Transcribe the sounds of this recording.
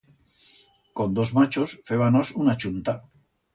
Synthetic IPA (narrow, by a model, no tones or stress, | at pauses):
kond̪o̞zmat͡ʃosfeβanosunat͡ʃunt̪a